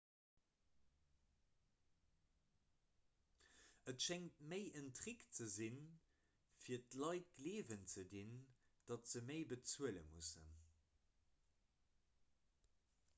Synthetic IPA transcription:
ʔətʃɛŋtməɪʔəntʁikt͡səzin | fiːɐtlɑɪt̚ɡleːvənt͡sədind̥ɑtz̥əməɪbət͡suələ̰musə̰n

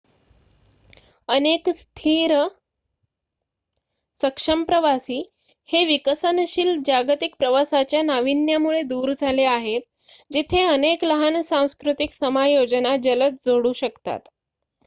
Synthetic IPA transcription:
ənekst̪ʰiɾ | səkʂəmpɾəʋasiː | heʋikəsənɕiːld͡ʑaɡt̪ik̚pɾəʋasat͡ɕjanaʋinjamuɭed̪uːɾd͡zʱaleaɦet̪̚ | d͡ʑit̪ʰeənekləɦansãw̃skɾut̪iksəmajod͡ʑnad͡ʑələt͡sd͡zoɽuːɕəkt̪a̰t̪

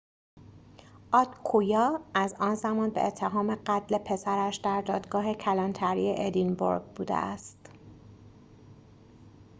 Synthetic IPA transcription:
ʔɒːd̪kʰujɒːæzɒːnzæmɒːnbeʔet̪ʰːe̞ɦɒːme̞ɢæt̪ʰle̞pʰe̞sæɾæʃd̪̥æɾd̪ɒːd̪ɡɒːɦe̞cʰælɒnt̪ʰæɾḭje̞ʔed̪inbo̰ɾɡbuːd̪ḛʔæst̪

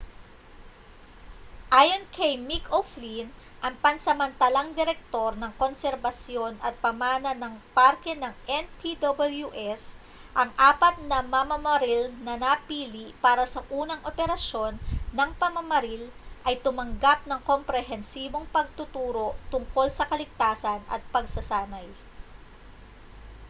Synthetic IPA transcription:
ʔaːjo̞nkʰɐjmikoflin | ʔɐŋpɐnsɐmɐnt̪ɐlɐŋd̪ɪɾɛk̚t̪o̞ɾnɐŋkonsɛɾbɐsjo̞nɐt̪̚pɐmaːnɐnɐŋpaɾkɛnɐŋʔɛnpid̪obɐljuʔɛs | ʔɐŋʔaːpɐt̪̚nɐmɐmɐmɐɾilnɐnɐpiːliʔpaːɾɐsɐʔuːnɐŋʔopɛɾɐʃo̞nːɐŋpɐmɐmɐɾil | ʔɐjt̪ʊmɐŋɡap̚nɐŋkompɾɛɦɛnsiːbo̞ŋpɐɡ̚t̪ʊt̪uːɾo̞t̪ʊŋko̞lsɐkɐlɪɡ̚t̪aːsɐnɐ̰t̪̚pɐɡsɐsaːnɐj

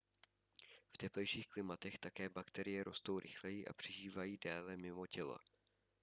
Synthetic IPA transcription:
ft̪ɛplɛjʃiːxklɪmat̪ɛxt̪akɛːbakt̪ɛɾɪjɛɾo̞̰st̪o̞wɾʔɪ̰xlɛjɪʔa̰pr̝̥ɪʒiːvajiːdaːlɛmɪmo̞cɛlo̰

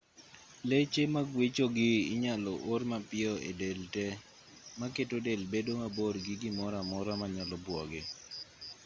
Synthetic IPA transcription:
let͡ʃemaɡwet͡ʃoɡɪɪɲalɔʔormapɪɔḛdeltɛ | maketodelbedomaboɾɡɪɡɪmɔɾamɔɾamaɲalɔbwɔɡɪ

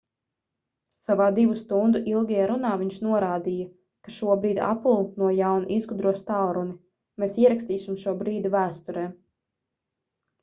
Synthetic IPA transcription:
savaːd̪ivust̪und̪uʔilˠɡʲajaɾunaːviɲʃnuɔɾaːd̪ijɐ | kaʃuɔbɾiːd̪ʲa̰pulˠnuɔjawnuʔizɡud̪ɾuɔst̪awɾuni | meːsiɛɾakst̪iːsimʃuɔbɾiːd̪ivæːst̪uɾɛː

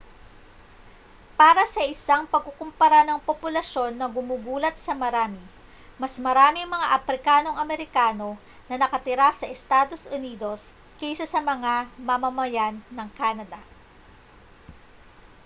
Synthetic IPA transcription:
paːɾɐsɐʔɪsaŋpɐɡ̚kokʊmpɐɾanɐŋpopʊlɐʃo̞nːɐɡʊmuːɡuːlɐt̪̚sɐmɐɾaːmɪ | mɐsmɐɾaːmɪŋmɐŋaʔɐpɾɪkaːno̞ŋɐmɛɾɪkaːno̞ | nɐnɐkɐt̪ɪɾasɐʔɛst̪aːd̪o̞sʊniːd̪o̞s | kijsɐsɐmɐŋamɐmɐmɐjanːɐŋkaːnɐd̪ɐ

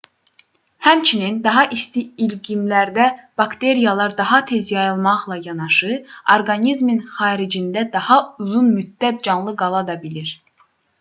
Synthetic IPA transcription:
hæmt͡ʃʰinind̪ɑɦɑʔist̪iːlɡimlæɾd̪æb̥ɑkt̪ʰe̞ɾijɑlˠɑɾd̪ɑɦɑt̪ʰe̞zjɑjɯlˠmɑʁlˠɑjɑnɑʃɯo̞ɾɡɑnizminχɑːɾid͡ʒind̪æd̪ɑhɑuzunmyd̪ːæt̪̚d͡ʒɑnlˠɯɡɑlˠɑd̪ɑbiliɾ

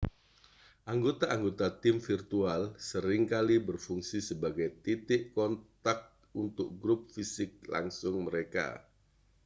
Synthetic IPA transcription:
ʔaŋɡot̪aaŋɡot̪at̪ɪmfirt̪ualsəɾɪŋkalibərfuŋsisəbaɡajt̪it̪ɪʔkɔnt̪ak̚t̪t̪̚unt̪ʊk̚ɡɾʊp̚fisɪk̚la̰ŋsʊŋməɾeka̰

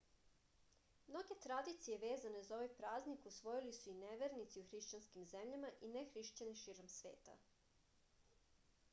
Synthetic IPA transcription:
mno̞ɡe̞t̪ɾad̪it̪sije̞ʋeːzane̞zaoʋajpɾaːznikusʋo̞jilisuineʋeɾnit̪siuxɾiʃt͡ɕanskimzemʎamaʔinexɾiʃt͡ɕaniʃiːɾomsʋe̞̰ːt̪a̰

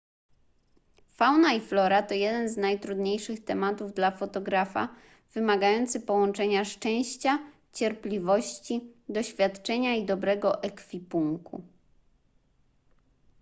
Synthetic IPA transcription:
fawnaiflɔɾat̪ɔjɛd̪ɛnznajt̪ɾud̪ɲejʂɘxt̪ɛmat̪uvd̪lafɔt̪ɔɡɾafa̰ | v̥ɘmaɡajɔnt̪sɘpɔwɔnt͡ʂɛɲaʂt͡ʂɛ̃w̃ɕt͡ɕa | t͡ɕɛɾplʲivɔɕt͡ɕid̪ɔɕfʲjat̪t͡ʂɛɲaid̪ɔbɾɛɡɔʔɛkfʲipuŋkṵ

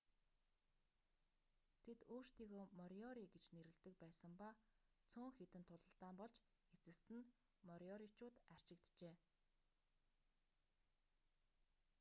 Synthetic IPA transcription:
t̪ʰet̪oːr̥t̪iːɣoːmɔɾɔɾiɡet͡ɕneɾɘ̆ɮt̪ɘ̆k̚pæːsə̆mpa | t͡sʰʊːŋxet̪ɘ̆nt̪ʰːʊɮə̆ɬt̪aːmpɔɮt͡ɕ | et͡sɘ̆st̪ɘ̆n | mɔɾʲɔɾit͡ɕʊːt̪ar̥t͡ɕɪ̆k̚t̪t͡ɕeː

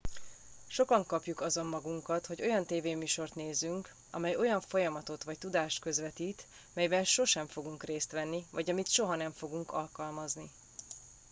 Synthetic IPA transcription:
ʃo̞kɒŋkɒpjukɒzo̞mːɒɡuŋkɒt̪hoɟo̞jɒnt̪eːveːmyːʃo̞rt̪neːzyŋk | ɒ̰mɛjo̞jɒɱfo̞jɒmɒt̪o̞t̪ʋɒc̚t̪ud̪aːʃt̪kø̞zʋɛt̪iːt̪ | mɛjbɛnʃo̞ʃɛɱfo̞ɡuŋkreːst̪ʋɛnːivɒɟɒmit̪ʃo̞ɦɒnɛɱfo̞ɡuŋkɒ̰lkɒlmɒzni

